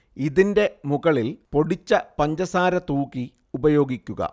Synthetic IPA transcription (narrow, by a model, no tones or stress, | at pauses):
iðinde̞muɣɐɭilpo̞ɽit͡ɕːɐpɐɲd͡ʑɐsaːɾɐt̪uːki | ubɐjo̞ːɡikʲːuɣɐ̰